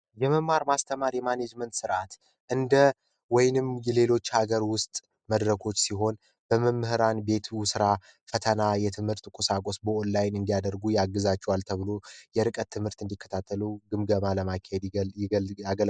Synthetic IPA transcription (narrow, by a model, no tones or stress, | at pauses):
jɛməmːaɾmast̪ʰəmaɾjɛmaned͡ʒmənt̪sɨɾʔat̪ | ʔɨnd̪ə | wɔjnɨmjɛle̞lo̞t͡ʃːhaɡəɾwʊst̪ʼ | məd̪ɾəkʰo̞t͡ʃːsiɦo̞n | b̥əməmːɨhɨɾanbe̞t̪ʰsɨɾa | fət̪ʰənajɛt̪ʰɨmhɨɾt̪kʼusakʼosbəonlajnɨnd̪ijad̪əɾɡujaɡːɨzat͡ʃːɛwalt̪ʰəβɨlo̞jɛɾɨkʼət̪ʰːɨmhɨɾt̪ɨnd̪ikʰːə̥t̪ʰat̪ʰːəluɡɨmɡəmaləmakʰːahed̪ | aɡəl